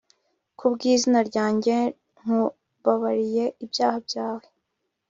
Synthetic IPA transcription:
kʰubɡiːzinaɾɟaːɲɟe̞ | ŋ̥u | βaβaɾije̞ibjaːhabjaːwe

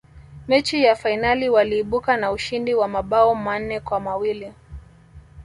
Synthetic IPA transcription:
mɛt͡ʃijafainaliwaliːɓukanauʃindiwamaɓaɔman̩ɛkwamawili

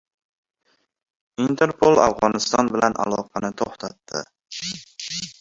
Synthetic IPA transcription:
int̪ʰe̞ɾpʰolˠa̰fʁɒnɪst̪ɒnbɪlanʔa̰lˠɒqʰɑnɪt̪ʰoχt̪ʰat̪ːɪ̰

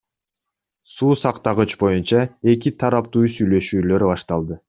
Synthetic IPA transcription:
suːsɑqt̪ɑʁɯt͡ʃbo̞junt͡ʃɑe̞k̬it̪ʰɑɾɑp̚t̪uːsyjlø̞ʃyːlø̞ɾbɑʃt̪ɑlˠd̪ɯ

